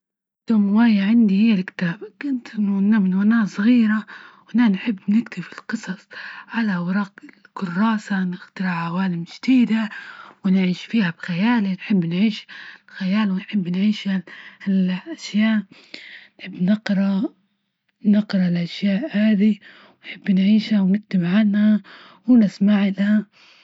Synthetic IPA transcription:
t̪amwaːjaʕand̪ihɪjːalkɪ̥t̪aːbkʊnt̪ʔɪnːʊanamɪnwanaːsˤɣiːɾawʔananħɪbːnɪkt̪ɪfɪlqɨsˤɑsˤʕalawɑɾˤɑːʔɪlkʊrˤːɑːsanɪxt̪ɑɾɪʕʕawaːlamʒd̪̥iːd̪awɪnʕiːʃfiːhabxajaːlinħɪbːnʕiːʃlxajaːlwɪnħɪbːnʕiːʃhalʔaʃjaːʔ | nħɪbːnɪqɾˤɑ | nɪqɾˤɑlʔaʃjaːʔhaːd̪i | wnħɪbːnʕiːʃhawnɪk̚t̪ɪmʕanha | wɪnɪsmaʕɪlha

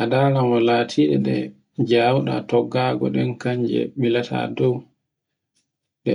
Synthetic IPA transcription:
ʔadanamɔlaːtʰiɗɛɗɛ | d͡ʒawɗa̰tɔɡːaːɡɔ̰ɗɛnkaɲd͡ʒɛ̰ɓilatʰa̰dɔw | ɗɛ̰

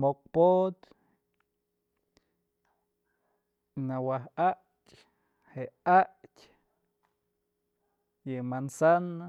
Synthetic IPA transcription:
mok̚pot̪ | nawahaʔ | tʲʼ | heʔaʔtʲ | jɨmansana

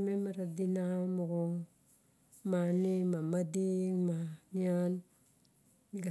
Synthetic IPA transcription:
memaɾadinamuɡo | manimamadiŋmanian | ɡa

